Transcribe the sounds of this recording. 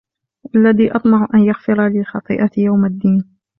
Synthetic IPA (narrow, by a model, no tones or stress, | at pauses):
ʔalːaðiːʔɑt̪ˤmɑʕʔanjaɣfɪɾalɪxɑt̪ˤɨ̰ːʔɑjawmad̪ːiːn